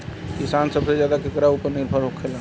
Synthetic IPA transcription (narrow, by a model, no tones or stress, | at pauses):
kisaːnsəbsezjaːd̪akekɾaupəɾnɪɾbʱəɾɦokʰela